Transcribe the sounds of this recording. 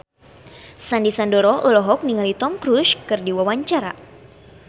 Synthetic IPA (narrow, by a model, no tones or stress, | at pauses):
sandisandɔɾɔʔɔlɔɦɔk̚niŋalit̪ɔmkɾuskɨrdiwawaɲt͡ʃaɾa̰